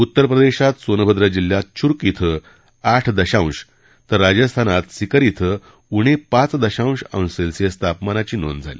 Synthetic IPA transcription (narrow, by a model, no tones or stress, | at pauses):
ut̪ːəɾpɾəd̪eɕat̪sonbʱəd̪ɾəd͡ʑilːjat̪̚t͡ɕʰuɾkit̪ʰə | aʈʰd̪əɕãw̃ɕ | t̪əɾːad͡ʑəst̪ʰanat̪sikəɾit̪ʰə | uɽ̃epat͡sd̪əɕãw̃ɕə̰̃w̃selsəst̪ʰapmanat͡ɕiːno̰nd͡zʱa̰lḭ